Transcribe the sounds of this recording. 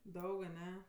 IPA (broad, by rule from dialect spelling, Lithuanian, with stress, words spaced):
ˈdɐʊk ɐˈnʲɛ